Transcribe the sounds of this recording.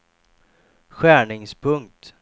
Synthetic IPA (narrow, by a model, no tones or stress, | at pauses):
ɧæːɳɪŋspʰɵŋk̚t̪